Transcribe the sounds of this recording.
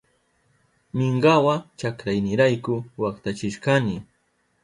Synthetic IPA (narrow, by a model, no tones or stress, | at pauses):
mɪɴɢawat͡ʃakɾajnɪɾajkʊwakt̪at͡ʃɪʃkanɪ